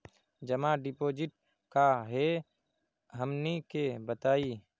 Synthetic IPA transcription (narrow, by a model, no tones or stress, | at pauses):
d͡ʒɐmãɖɪpoːd͡ʒɪʈ̚ | kaɦe | ɦəmnekebət̪aːiː